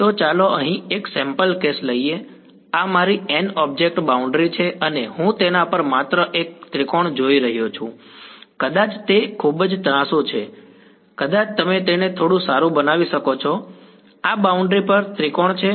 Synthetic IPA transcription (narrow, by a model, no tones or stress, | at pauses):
t̪ot͡ʃaloəɦĩeksɛ̃mpəlkesləie | amaɾiɛnɔb̚d͡ʒek̚ʈbauɳɖɾit͡ʃʰeʔənehũt̪enapəɾmat̪ɾəʔek̚t̪ɾikoɳd͡ʒoiɾəɦjot͡ʃʰũ | kəd̪at͡ʃt̪ekʰubd͡ʒt̪əɾãsot͡ʃʰe | kəd̪at͡ʃt̪əmet̪enet̪ʰoɽũsaɾũbənaʋiʃəkot͡ʃʰɔ | abauɳɖɾipəɾt̪ɾikoɳt͡ʃʰe